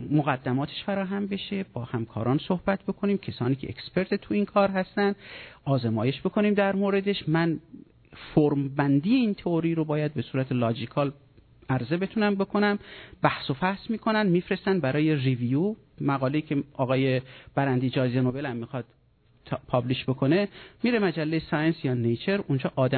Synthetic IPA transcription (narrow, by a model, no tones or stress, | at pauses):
moɣæd̪ːæmɒːt̪ʰeʃfæɾɒːɦæmbe̞ʃebɒːhæmkʰɒ̰ːɾɒːnso̞hbæt̪̚ʰb̥e̞kʰo̞niːmcʰesɒːniːcʰe̞ʔḛkspʰe̞ɾt̪ʰet̪ʰuiːnkʰɒːɾɦæst̪ænd̪ʔɒːzemɒːje̞ʃbe̞kʰo̞niːmd̪æɾmoːɾe̞d̪e̞ʃmæn | foɾmbænd̪iːjeiːnt̪ʰeoɾiːɾobɒːjæd̪̚be̞suːɾæt̪ʰelɒːd͡ʒikʰɒːl | æɾze̞be̞t̪ʰunæmbe̞kʰo̞næmbæhsofæhsmiːkʰo̞nænd̪miːfɾe̞st̪ænd̪bæɾɒːje̞riviju | mæɣɒːle̞iːcʰeɒːɣɒːje̞b̥æɾænd̪iːd͡ʒɒːzenobe̞læmːixɒd̪̥ | pʰɒbliʃbe̞kʰo̞ne̞miɾemæd͡ʒælːejesɒːjensjɒːnejt͡ʃʰe̞ɾund͡ʒɒːʔɒːd̪æ